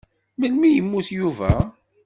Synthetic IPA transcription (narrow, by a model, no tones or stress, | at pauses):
məlmijəmːuθjuvæ